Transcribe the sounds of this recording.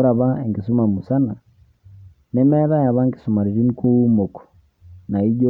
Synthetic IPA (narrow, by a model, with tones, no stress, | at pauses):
ɾa˨βa˦e˨ŋɡisu˦ma˨mu˨sa˦na˨ | nɛ˦mɛ˦ða˦ja˨βa˦ŋɡi̥˨su˨ma˨ɾi˨ɾi˦ni˦ku˦u˦mo˨kɔ̥ | na˨i˦ɟo˦